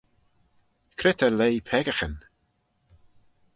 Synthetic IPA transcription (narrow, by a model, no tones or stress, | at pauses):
kʰɾɪt̪ʰəlejpʰɛɡəxən